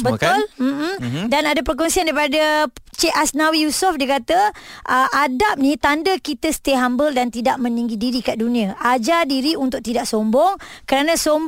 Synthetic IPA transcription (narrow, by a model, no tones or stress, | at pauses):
bət̪ʊlm̩danadapərk̬ɔnsiandaɾipadət͡ʃeʔasnãwijusʊfdiəkat̪əʔəʔadap̚nĩt̪andəkit̪əsə̥t̪eɦambəldant̪idaʔmə̃niŋɡidiɾikaʔdunĩaʔad͡ʒadiɾiunt̪ʊʔ̚t̪idaʔsombɔŋ | kəɾanãsom